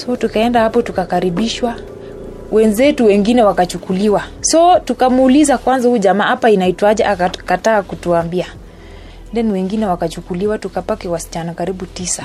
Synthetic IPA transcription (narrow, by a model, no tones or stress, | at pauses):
sɔtukaɛndahapɔtukakaɾiɓiʃwa | wɛnzɛtuwɛŋɡinɛwakat͡ʃukuliwasɔtukamuːlizakwanzahuʄamaːapainaitwaʄɛʔakataːkutuambia | ndɛniwɛŋɡinɛwakat͡ʃukuliwatukapakɛwasi̥t͡ʃanakaɾiɓutisa